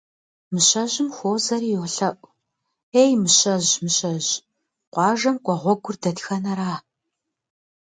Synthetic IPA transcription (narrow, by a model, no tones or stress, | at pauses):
mɨɕɐʑɪmxʷoːzɐɾiːjoːɬɐʔʷʼ | eːjmɨɕʼɐʑmɨɕʼɐʑ | qʷɑːʒɐmqʷʼɔʁʷɔɡʷʊrdɐtxɐnɐɾaː